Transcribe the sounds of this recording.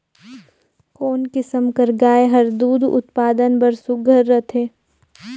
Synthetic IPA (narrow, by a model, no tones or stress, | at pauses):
koːnkɪsəmkəɾɡaːeɦɐɾd̪uːd̪ʊ̰t̪paːd̪ənbəɾsʊɡʱəɾːət̪ʰeː